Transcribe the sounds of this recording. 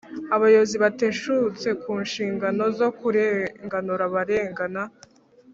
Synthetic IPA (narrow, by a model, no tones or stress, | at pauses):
aβajoziβate̞ʃut͡se̞kuːnʃiːŋɡano̞zo̞kuɾeŋɡanuɾaβaɾe̞ːŋɡana